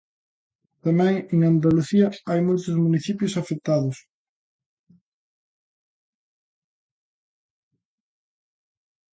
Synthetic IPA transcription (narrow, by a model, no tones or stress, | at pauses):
t̪amɛ̃ŋeŋand̪aluθiɐajmojt̪ʊzmuniθipjʊsafek̚t̪aðʊs